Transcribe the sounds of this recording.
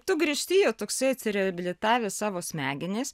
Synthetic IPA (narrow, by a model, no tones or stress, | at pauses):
t̪ʊɡɾʲiɛʃʲt̪ʲiːjoːt̪oːksɐɪɐt̪ʲsʲɪɾʲɛhɐbʲɪlʲɪt̪ɑːʋʲeːsɑːʋoːsʲmʲæːɡʲɪnʲeːs